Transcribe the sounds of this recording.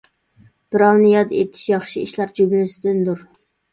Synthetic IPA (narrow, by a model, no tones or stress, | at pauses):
b̥ɪɾɑwnɨjɑd̪et̪ʰi̥ʃjɑχʃiiʃlɑɾd͡ʒybʲɪlɪsɪd̪ɪnd̪uɾ